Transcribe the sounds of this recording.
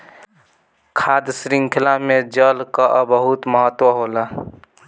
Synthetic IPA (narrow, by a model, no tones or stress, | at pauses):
kʰad̪sɾiŋɡkʰɪlamed͡ʒəlkaʔəbəɦut̪məɦət̪ːwəɦola